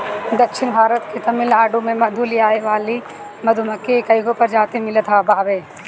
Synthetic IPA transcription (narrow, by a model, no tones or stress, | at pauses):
d̪ɐkʃʰɪnbʱaːɾət̪ket̪ɐmɪlaːɖumẽmɐd̪ʱuliaːeʋaːli | mɐd̪ʱumɐkːekɐjɡopɐɾd͡ʒaːt̪emɪlet̪ʰaːbaːbeː